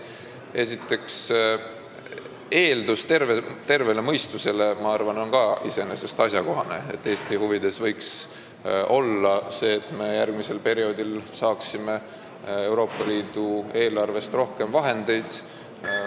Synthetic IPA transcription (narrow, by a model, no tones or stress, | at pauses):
e̞sit̪ːˑe̞ks | e̞ːld̪ust̪e̞rvet̪e̞rve̞le̞mɤjst̪use̞le̞mɑɑrvɑno̞nkɑḭse̞nese̞st̪ɑsʲjɑko̞ɦɑne̞̰et̪ːe̞ːst̪ihuvid̪e̞svɤjks | o̞lːɑse̞ːt̪ːˑme̞jærɡmise̞lpe̞ɾio̞ːd̪ilsɑːksime̞ | e̞wɾo̞ːpˑːɑliːd̪̥ue̞ːlɑrve̞st̪ro̞hke̞mvɑɦe̞nd̪̥e̞jd̪̥